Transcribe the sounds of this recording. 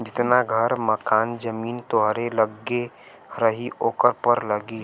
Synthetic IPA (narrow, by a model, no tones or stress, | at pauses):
d͡ʒɪt̪naɡʱəɾməkaːnd͡ʒəmiːnt̪oɦɾeləɡe | ɾəɦiʔoːkəɾpəɾləɡi